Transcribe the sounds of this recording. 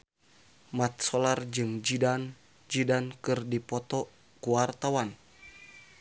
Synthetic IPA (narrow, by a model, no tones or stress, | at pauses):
mat̪̚sɔlard͡ʒɨŋd͡ʒidan | d͡ʒidankɨrdipɔt̪ɔ | kuwart̪awan